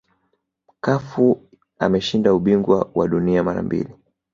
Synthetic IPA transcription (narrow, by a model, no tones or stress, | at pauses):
m̩kafu | a̰mɛʃindauɓiŋɡwawaɗuniamaɾa̰mbḭli